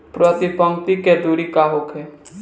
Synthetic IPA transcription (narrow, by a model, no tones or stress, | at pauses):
pɾət̪ipə̃ŋk̚t̪iked̪uːɾikaɦokɦɛː